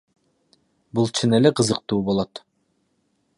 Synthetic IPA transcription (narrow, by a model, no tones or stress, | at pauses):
bulˠt͡ʃʰɯneleqɯzɯq̚t̪uːbo̞lˠot̪